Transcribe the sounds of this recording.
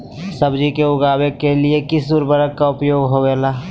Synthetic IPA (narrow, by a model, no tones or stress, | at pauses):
səbd͡ʒikeʊɡaːwekeliekɪsd̪ʊɾbəɾəkːaʊpjoːɡɦoːeːlaː